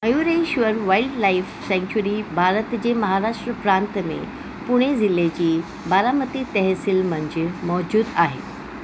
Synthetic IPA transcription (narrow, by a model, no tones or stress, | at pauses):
ɐjuːɾeiʃʋəɾʋaːɪlɖlaɪfsɛ̃ŋt͡ɕuɾibʱaːɾət̪d͡ʑeːmɐɦaɾaːʂʈɾəpɾãːnt̪mḛ̃ | pʊɽ̃ezɪled͡ʑiː | baːɾamət̪it̪ɛɦsɪlmɐ̃ɲd͡ʑɪmɔːd͡ʑuːd̪aːɦḛː